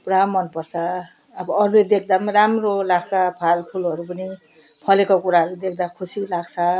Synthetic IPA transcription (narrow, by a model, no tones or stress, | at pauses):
pramːʌnpʌrt͡sʰʌː | bʌʌɾled̪ek̚ʰd̪aramrolaɡt͡sʰʌpʰalpʰulʌɾupʌni | pʰʌlekakuɾaɦʌɾud̪ekʰd̪akʰusilaɡt͡sʰʌ